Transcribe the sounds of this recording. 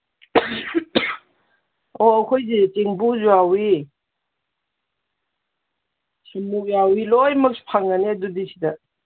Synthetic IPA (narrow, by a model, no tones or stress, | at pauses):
oɐkʰojzet͡ʃeŋbuzuawi | siŋmuk̚jawilojmɐk̚spʰaŋːaneɐdudisida